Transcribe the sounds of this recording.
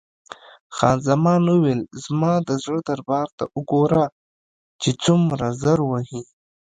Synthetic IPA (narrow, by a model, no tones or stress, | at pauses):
xɑːnzamɑnuwelzmɑd̪əzɽəd̪aɾbɑːɾt̪a̰ʔʊɡoɾa | t͡ʃet͡sumɾazəɾwaɦi